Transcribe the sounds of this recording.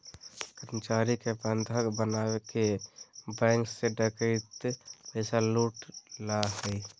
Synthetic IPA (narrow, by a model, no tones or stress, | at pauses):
kəɾmət͡ʃaːɾikebənd̪ʱəkbənaːwekebɛ̃ːŋkseɖəkəɪt̪pɛːsaluːʈlaɦɛi